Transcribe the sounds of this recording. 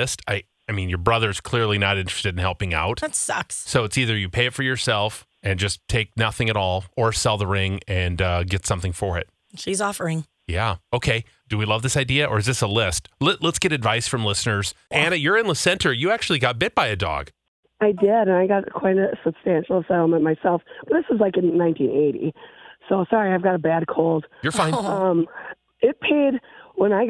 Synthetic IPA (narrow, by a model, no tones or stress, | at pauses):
ɪstʰaɪ | aɪmĩnjə˞bɹʌðə˞z̥kʰl̥ɪɹlˠinəɾɪ̃nt͡ʃɹ̥ɨ̥stɨɾ̃n̩hɛlˠpɪ̃ŋa̰ʊt̚ðætsʌkssoʊɨtsiðə˞jɨpʰeɪɨtfə˞jə˞sɛlˠf | ɨ̃nd͡ʒʌstʰeɪk̚nʌθɪ̃ŋɨɾɔlˠə˞sɛlˠðəɹɪ̃ŋɨ̃nʌɡɛtsʌ̃mθɪ̃ŋfə˞ɪ̰t̚ | ʃizɔfə˞ɪ̃ŋ | jæoʊkʰeɪ | d̥ɨwilʌvðɪsaɪdiɨʔə˞ɨzðɪsəlɪst̚lɛlɛtsɡ̥ɛɾɨdvaɪsfɹʌ̃mlɪsnə˞z̥ʔɨ̃ñɨt͡ʃə˞ɨ̃nləsɛ̃ntʰə˞jɨæk̚t͡ʃʉl̩ˠiɡɑt̚b̥ɪt̚b̥aɪɨdɔ̰ɡ̥ | aɪdɪɾɨ̃naɪɡɑt̚kʰw̥aɪɾɨsɨb̥stæ̃nʃl̩ˠəsaɪɾl̩ˠmə̃nmaɪsɛlˠfb̥ʌt̪̚ðɪswʌzlaɪkɨ̃nːãɪ̃ntʰḭ̃neɪɾḭsoʊsɑɹiaɪvɡɑɾəbæd̚kʰoʊlˠd̥jə˞fãɪ̃ʌ̃m | ɪt̚pʰeɪd̚wə̃naɪ